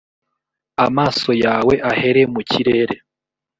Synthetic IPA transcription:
amaːso̞jaːwe̞ʔahe̞ɾe̞muciɾeɾe

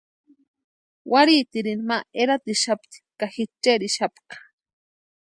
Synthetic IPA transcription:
waɾit̪iɾinmaeɾat̪iʃapt̪i̥kaxit͡ʃːeɾiʃapkḁ

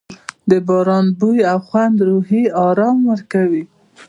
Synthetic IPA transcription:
d̪əbɑɾɑnbujawxwand̪ɾuɦiɑɾɑmwəɾkawi

